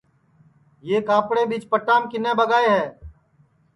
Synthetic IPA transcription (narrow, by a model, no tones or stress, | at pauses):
jeːkaːpɽebiːt͡ʃpəʈaːmkɪnẽːbəɡaːeɦɛː